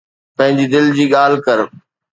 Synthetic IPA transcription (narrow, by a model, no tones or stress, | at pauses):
pɐ̃ɦɪ̃ɲd͡ʑid̪ɪld͡ʑiːɠaːl̤kɐɾ